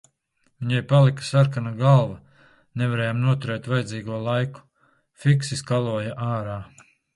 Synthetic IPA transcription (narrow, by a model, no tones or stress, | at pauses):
vʲiɲajpalˠikḁsaɾkanaɡalˠva | nɛvaɾɛːjaːmnuɔt̪uɾɛːt̪vajd̪ziːɡuɔlˠajku̥ | fiksiskalˠuɔjaʔaːɾaː